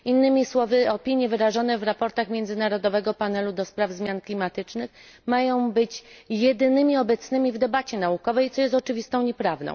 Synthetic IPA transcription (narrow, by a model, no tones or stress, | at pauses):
inːɘmʲiswɔvɘɔpʲiɲjɛvɘɾaʐɔnɛvɾapɔɾt̪axmʲjɛnd̪zɘnaɾɔd̪ɔvɛɡɔpanɛlud̪ɔspɾavzmʲjanklʲimat̪ɘt͡ʂnɘx | majɔ̃w̃bɘt͡ɕjɛd̪ɘnɘmʲiɔbɛt̪snɘmʲivd̪ɛbat͡ɕɛnaukɔvɛjt̪sɔjɛst̪ɔt͡ʂɘvʲist̪ɔ̃w̃ɲɛpɾavnɔ̰̃w̃